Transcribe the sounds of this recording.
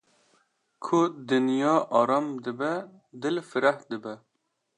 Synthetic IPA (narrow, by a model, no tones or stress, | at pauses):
kʰʊd̪ɨnjɑːʔɑːɾɑːmd̪ɨbɛ | d̪ɨlfɨɾæhd̪ɨbɛ